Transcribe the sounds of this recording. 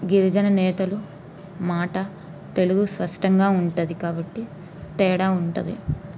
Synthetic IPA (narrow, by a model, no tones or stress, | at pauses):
ɡiɾid͡ʒɐnɐnɛːt̪ɐlu | maːʈɐ | t̪e̞luɡuspɐʂʈɐŋɡaːuɳʈud̪ikaːbɐʈːi | t̪ɛːɽaːuɳʈuɐ̰d̪ḭ